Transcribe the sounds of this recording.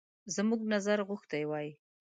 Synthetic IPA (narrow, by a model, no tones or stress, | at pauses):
zmuɡnazaɾɣʊxt̪ajwɑji